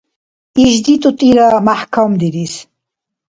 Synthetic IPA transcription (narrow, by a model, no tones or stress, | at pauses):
iʒd̪it̪ʼut̪ʼiɾamaħkʰamd̪iɾis